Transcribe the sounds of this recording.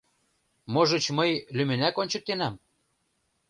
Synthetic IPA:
moʒɤ̆t͡ɕmɤjlymɘ̆nækonʲt͡ɕɤ̆k̚t̪enæm

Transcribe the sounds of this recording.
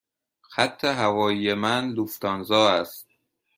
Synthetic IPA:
xæt̪ʰːeɦævɒːijemænd̪uft̪ɒːnzɒːæst̪̚

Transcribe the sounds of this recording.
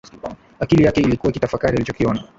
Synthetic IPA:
akilijakɛilikuwakitafakaɾialit͡ʃɔkiɔna

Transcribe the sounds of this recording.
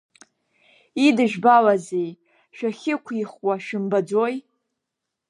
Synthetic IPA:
idɨʒᶣbalazej | ʃᶣaχʲɪkʷʰiχwaʃɪmbad͡zoj

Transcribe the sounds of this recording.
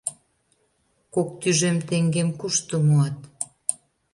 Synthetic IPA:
kok̚t̪yʒemt̪eŋɡemkuʃt̪omoɑt̪

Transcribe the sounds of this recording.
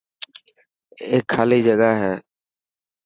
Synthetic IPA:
eːkʰːaːliːd͡ʒəɡaɦɛː

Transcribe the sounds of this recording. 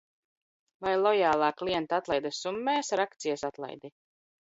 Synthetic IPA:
vajlˠɔjaːlˠaːkliɛnt̪at̪lˠajd̪asumːɛːsɾakt̪sijasat̪lˠa̰jd̪i

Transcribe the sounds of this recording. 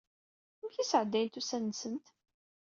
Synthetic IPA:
mçisəʕəd̪ːæjnt̪usænːsənt̪

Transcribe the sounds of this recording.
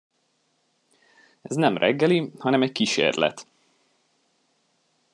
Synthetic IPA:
ɛznɛmrʔɛ̰ɡːɛlihɒnɛmɛckiʃḛːrlɛ̰t̪

